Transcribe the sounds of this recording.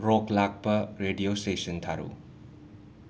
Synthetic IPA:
ɾɔklak̚bɐɾeɖiosʈesənt̪ʰaɾṵ

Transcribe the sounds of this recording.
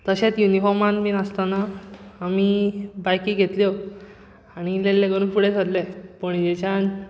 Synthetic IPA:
t̪əɕẽt̪junifɔɾmãnminast̪anaːmibajkiːɡʱet̪ljo | añilelːẽɡəɾũpuɽet͡s̪ʰəd̪lepəɳd͡ʑet͡ɕan

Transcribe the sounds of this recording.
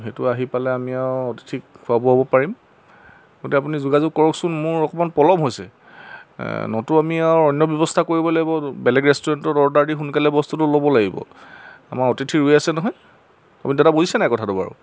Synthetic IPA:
xetʊaɦipalɛamiaʊɔti̥tʰikkʰːʊabɔɦɔbɔpaɹim | ɡotɛap̬unizuɡazʊɡ̚kɔɹɔksʊnmʊɹɔkɔmanpɔlɔmɦojsɛ̰ | nɔtʊamiawɔnjɔbjɔbɔstʰakoɹibɔlaɡibɔbɛlɛɡɹɛstuɹantɔdɔɹdaɹdixunkalɛbɔstutʊlobɔlaɡibɔ̰a̰maɹɔtitʰiɹujasɛnɔɦɔj | apunidɛtabozisɛnajkɔtʰatʊba̰ɹṵ

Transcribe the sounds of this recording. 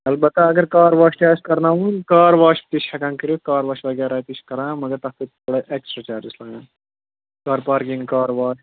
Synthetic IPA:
ɐlbɐt̪ːaɐɡɐɾkaːɾʋaːʃʈaːskɐɾnaːʋunkaːɾʋaːʃt̪iʃʲhɐkãŋkɐɾukaːɾʋaːʃʋɐɡʲaːɾaːt̪iʃkɐɾãːmɐɡɐɾt̪ɐkt̪it̪ | ɐɽɐʔeksʈɾɐt͡ʃaːɾislaːnãː | kaːɾpaːɾkĩŋɡkaːɾʋaːʃ

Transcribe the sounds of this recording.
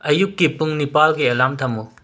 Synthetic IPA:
ɐjukːipuŋnipalɡiɐlamtʰɐmu

